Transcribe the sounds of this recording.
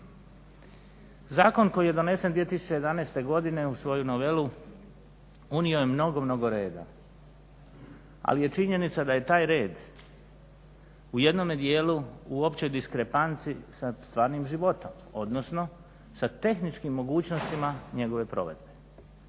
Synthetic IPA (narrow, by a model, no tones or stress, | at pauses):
zaːko̞nko̞jije̞d̪o̞ne̞send̪ʋie̞t̪isu̥t͡ɕejed̪amneːst̪e̞ɡo̞d̪ine̞usʋo̞juno̞ʋe̞lu | uniojemno̞ɡo̞mno̞ɡo̞ɾeːd̪a̰ | a̰lije̞t͡ʃiɲe̞nit̪sad̪aje̞t̪aːjɾe̞ːd̪ | uje̞d̪no̞med̪je̞ːluuo̞pt͡ɕojd̪iskɾe̞pant̪sisast̪ʋaːɾnimʒiʋo̞t̪o̞m | o̞d̪no̞sno̞ | sat̪e̞xnit͡ʃkimːo̞ɡuːt͡ɕno̞st̪imaɲe̞ɡo̞ʋe̞pɾo̞̰ʋe̞̰d̪be̞